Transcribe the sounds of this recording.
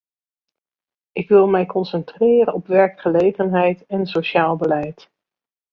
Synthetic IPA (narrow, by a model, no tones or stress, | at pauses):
ʔɪkʋɪlˠmɛjkɔnsɛntrɪːrənɔpʋɛɹkχəlejχənɦɛjtɛnsoʃaːlˠbəlɛjt